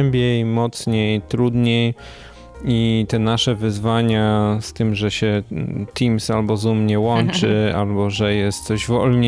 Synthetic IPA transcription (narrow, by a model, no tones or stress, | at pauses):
mbʲjejmɔt̪sɲejt̪ɾud̪ɲej | it̪ɛnaʂɛvɘzvaɲast̪ɘmʐɛɕɛt̪imsalbɔzumɲɛwɔnt͡ʂɘa̰lbɔʐɛjɛst̪t̪sɔʑvɔlɲ